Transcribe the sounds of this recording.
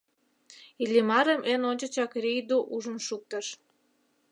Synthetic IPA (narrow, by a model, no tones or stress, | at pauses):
ilʲimɑɾəmʔenonʲt͡ɕə̆t͡ɕɑkrijd̪oʔuʒənʃuk̚t̪ə̆ʃ